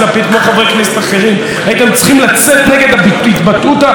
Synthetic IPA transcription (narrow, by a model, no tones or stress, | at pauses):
lapit̪kmoχavʁejkneset̪aχe̞ʁim | ajit̪emt͡sχimlat͡set̪neɡe̞d̪abit̪bat̪ut̪a